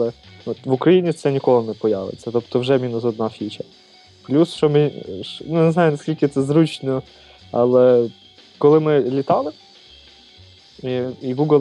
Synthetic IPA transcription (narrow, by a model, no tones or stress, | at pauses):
ɛɔt̪ʋʊkɾɐjinʲit̪sɛnʲikɔlˠɪnɛpɔja̰ʋɪ̰t͡sʲːɐt̪ɔpt̪ɔwʒɛmʲinʊsɔd̪nɑfʲit͡ʃɐ | plʲusʃt͡ʃɔmɪnunɛznɑjʊnɐskʲilʲkɪt̪sɛzɾut͡ʃnɔ | ɑ̰lˠɛ | kɔlˠɪmɪlʲit̪ɑlˠɪ | iiɡuɡlˠ